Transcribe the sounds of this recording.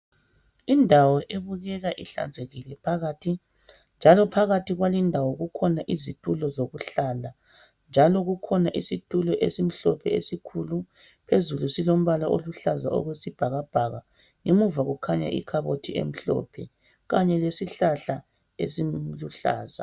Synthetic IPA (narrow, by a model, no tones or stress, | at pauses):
indʱawɔʔeβuɣɛɣaʔiɬa̰nd͡zʱeɣilɛpʰaɣaːtʰi | nd͡ʒʱalɔpʰaɣatʰiɣwalindʱawɔɣukʰɔnaʔizitʼulɔzoɣuɬala | nd͡ʒʱalɔɣukʰɔnaʔisitʼulɔʔesim̩ɬɔpʰɛesikʰulu | pʰezulusilom̩βalaʔo̰luɬaza̰ɔ̰ɣwesib̥ʱaɣab̥ʱaɣa | ŋemuvaɣukʰaɲa̰ʔḭkʰaβotʰiḛm̩ɬɔ̰ːpʰɛ̰ | ɣaɲɛlesiɬaɬa | ḛsimluɬa̰ːza̰